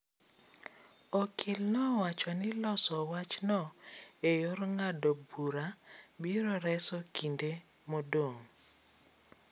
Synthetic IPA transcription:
ɔkʰɪlnɔwat͡ʃɔnɪlɔsɔwat͡ʃnɔejorŋadɔbuɾabiɾɔɾɛsɔkʰinde | modoŋ

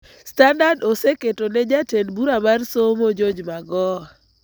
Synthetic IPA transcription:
standardoseketonɛd͡ʒatenbuɾamarsomod͡ʒod͡ʒmaɡɔ

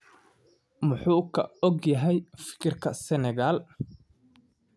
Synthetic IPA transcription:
mʊħuːkʰɐ̰ɔɡjɐɦɛjfɪ̥kʰɪrkʰɐsɛnɛɣal

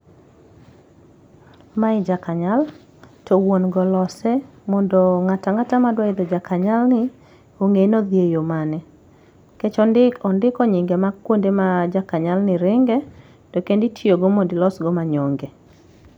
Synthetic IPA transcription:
maɪd͡ʒakaɲal | tɔwonɡɔlɔsɛ | mɔndɔŋataŋatamadwaɪd̪ɔd͡ʒakaɲalnɪ | oŋenɔd̪jejomanɛ | ket͡ʃɔndɪkɔndɪkɔɲɪŋɡɛmakːwondemad͡ʒakaɲalnɪɾɪŋɡɛ | tɔkenditʰioɡomodɪlɔsɡɔmaɲɔŋɡe

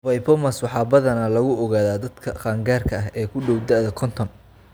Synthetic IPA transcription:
vɐjpʰɔmɐswɑħɑːbɐðɐnɐlɐɣʊʔɔɣaːðaːd̪ɐd̪kʰɐqɑːŋɡaːrkʰɐɐɦɛːkʰʊɖɔwd̪aʔðɐkʰɔnt̪ʰɔn

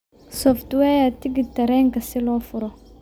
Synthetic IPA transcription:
sɔftuwɛjatiɡitɐɾɛŋkɐsɪlɔfʊɾɔ

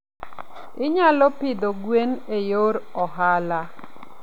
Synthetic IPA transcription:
ɪɲalɔpɪd̪oɡwenejoɾɔɦala

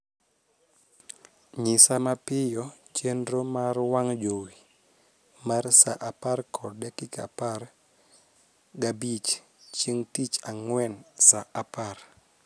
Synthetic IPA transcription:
ɲɪsamapɪjɔt͡ʃendɾomarwaŋd͡ʒowi | marsaʔaparkʰɔdɛkika̰par | ɡabit͡ʃ | t͡ʃiŋtit͡ʃaŋwɛnsaʔapar

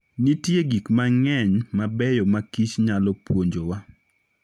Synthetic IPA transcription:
nitjeɡikmaŋɛɲmabɛjɔmakit͡ʃɲalɔpwoɲd͡ʒowa

